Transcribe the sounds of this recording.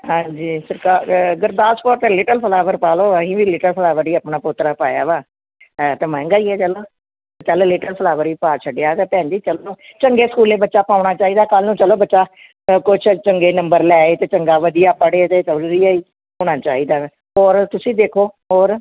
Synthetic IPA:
ɦãːd͡ʒiːsəɾkaːɡəɾd̪aːspoːɾt̪ẽːlɪːʈəlpʰəlaːʋəɾpaːloːəĩːbiːlɪʈəlpʰəlaːʋəɾiːəpnaːpʊt̪ːɾaːpaːja̰ːʋaː | t̪emɛ̃ːŋɡaːiːɛːt͡ʃəloː | t͡ʃəlːlɪːʈəlpʰəlaːʋəɾiːpaːt͡ʃʰəɖjaːt̪eːpɛ̃ːnd͡ʒiːt͡ʃəloːt͡ʃəŋɡeːskuːleːbətːʃaːpaːʊɳaːt͡ʃaːiːd̪aːkəlnũːt͡ʃəloːbətːʃaː | kʊt͡ʃʰt͡ʃəŋɡeːnəmbəɾlɛːeːt̪eːt͡ʃəŋɡaːʋəd̪ijaːpəɽeːt̪eːt̪əlɾiːaːiː | ɦoːɽ̃aːt͡ʃaːɦiːd̪aː | ɔːɾt̪ʊsĩːd̪eːkʰoːɦoːɾ

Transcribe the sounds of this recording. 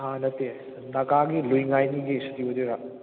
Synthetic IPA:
anɐte | nɐɡaɡilujŋajniɡestibodeɾa

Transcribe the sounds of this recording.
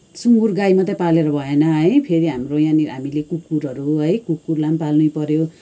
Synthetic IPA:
suŋɡurɡajmʌt̪ʌpaleɾʌbʱʌenʌɦʌjpʰeɾiɦamrojãniɦamilekukːuɾʌɾuɦʌjkukːurlampalnujpʌɾjo

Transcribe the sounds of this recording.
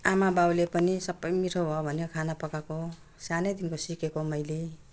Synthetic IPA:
amabawlepʌnisʌbːʌjmiʈʰobʱobʱʌneokʰanapʌkako | sanʌjd̪inkosikekomʌjle

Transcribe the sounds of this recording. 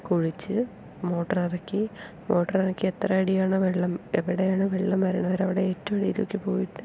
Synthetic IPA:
kuɻit͡ɕːɨ | mo̞ːʈːɐrirɐkːi | mo̞ːʈːɐrirɐkːiet̪rɐiɽijaːɳɨʋeɭːɐmeʋiɽejaːɳɨʋeɭːɐmʋɐɾuɳɐʋɐɾɐʋiɽe̞eːtːɐmɐɽijilo̰kʲːɨpo̞ːjiʈːɨ

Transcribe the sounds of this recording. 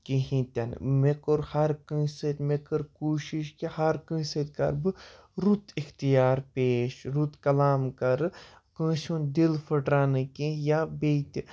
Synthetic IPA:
kiɦĩt̪ɐn̰mekoɾhɐɾkə̃ːsɐt̪ʲmekɐɾkuːʃiʃkihɐɾkə̃ːsɐt̪̚kɐ̰ɾbɨ | ɾut̪ixt̪ijaːɾpeːʃɾut̪kɐlaːmkɐɾ | kə̃ʃũnd̪ilfʰɐʈɾaːnɨkĩjabeːt̪

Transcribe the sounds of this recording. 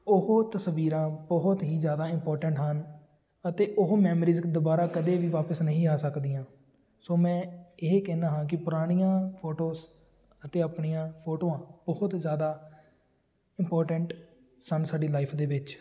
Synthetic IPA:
ʊɦoːt̪əsʋiːɾãːbɔɦʊt̪ɦiːzjaːd̪aːɪmpɔːɾʈəɳʈɦən | ət̪eːʔʊɦomɛːmɾiːzd̪ʊbaːɾaːkəd̪eːʋiːʋaːpəsnəɦĩːaːsəkd̪iːãː | soːmɛ̃ːɪɦekɛːnãːɦãːkɪpʊɾaːɽ̃ijãːpʰoːʈoːs | ət̪eːapɳijãːpʰoːʈoːãːbɔːʊt̪zjaːd̪aː | ɪmpɔːɾʈəɳʈ | sənsaːɖiːlaːɪpʰd̪eːʋɪt͡ʃ

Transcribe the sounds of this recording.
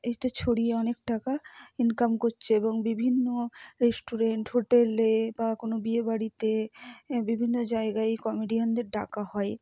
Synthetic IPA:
eʈat͡ɕʰoɽieɔnekʈakainkamkoɾt͡ɕʰeeboŋbibʱinːoɾesʈuɾeɳʈɦoʈelebakonobiebaɽit̪ebibʱinːod͡ʑaeɡaejkɔmiɖijond̪eɾɖakaɦɔe

